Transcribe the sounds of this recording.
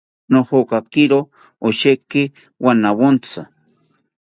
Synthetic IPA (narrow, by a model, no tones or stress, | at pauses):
noxokakɪɾo | oʃekɪ | wanawont͡sa